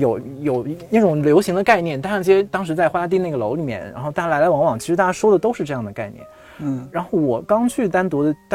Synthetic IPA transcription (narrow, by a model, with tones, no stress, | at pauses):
jo˨˩ʊjo˨˩ʊna˥˩ʈ͡ʂʊ˨˩ŋljo˧˥ʊɕi˧˥ŋd̪ə˧ka˥˧ɪnjɛ˥˩nt̪a˥ʂɑ˥˩t͡ɕjɛ˥t̪ɑ˥ŋʂ̬ɻ̩˧˥t͡sa˥˩ɪxwa˥t̪i˥˧na˥˩ɡə˩lo˧˥ʊli˨˩mjɛ̰˥˩nɻa̰˧˥nxo˥˧ʊt̪a˥˩t͡ɕa˥lla˧˥ɪwɑ˧˥ŋwɑ˨˩ŋt͡ɕʰʂɻ̩˧˥a˥˩t͡ɕja˥ʂwɔ˥d̪ə˨t̪o˥ʊʂɻ̩˥˧ʈ͡ʂɤ˥˧jɑ˥˩ŋd̪ə˩ka˥˧ɪnjɛ̰˥˩n | ɻa˧˥nxo˥˩wɔ˨˩kɑ˥ŋt͡ɕʰy˥˩t̪a˥nt̪wɔ˧˥d̪ə˧t̪